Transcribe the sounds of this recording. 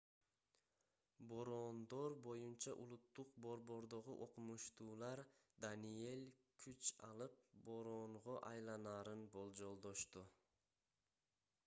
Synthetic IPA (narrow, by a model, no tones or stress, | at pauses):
bo̞ɾond̪o̞ɾbo̞junt͡ʃɑʔulˠut̪ːuq̚bo̞ɾbo̞ɾd̪o̞ʁuʔo̞qumuʃt̪uːlˠɑɾ | d̪anije̞lʲkʰyt͡ʃɑ̰lˠɯp̚bo̞ɾoɴʁo̞ʔɑjlˠɑnɑːɾɯnbo̞lˠd͡ʒo̞lˠd̪o̞ʃt̪u